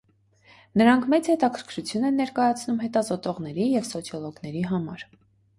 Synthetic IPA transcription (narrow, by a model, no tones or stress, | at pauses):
nəɾɑŋkʰmɛt͡shɛt̪ɑkʰəɾkʰɾut͡sʰjunɛnːɛɾkɑjɑt͡sʰnumɦɛt̪ɑzɔt̪ɔʁnɛɾijɛvsɔt͡sʰjɔlɔɡnɛɾiɦɑmɑɾ